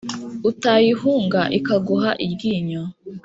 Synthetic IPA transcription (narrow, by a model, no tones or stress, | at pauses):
utajihuːŋɡaʔikaɡuɦaʔibɡiːɲo